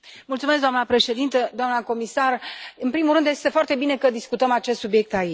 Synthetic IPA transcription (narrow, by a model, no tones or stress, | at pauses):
mult̪sumes̬ɡd̪oamnəpɾe̞ʃe̞d̪int̪əd̪oamnəko̞misarɨnpɾimulɾɨnd̪je̞st̪e̞foart̪e̞bine̞kəd̪iskut̪əmat͡ʃest̪subjek̚t̪ai